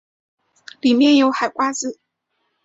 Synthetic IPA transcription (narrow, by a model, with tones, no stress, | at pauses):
li˨˩mjɛ˥˩njo˧˥ʊxa˨˩ɪkwa˥t͡sɹ̩˨˩˦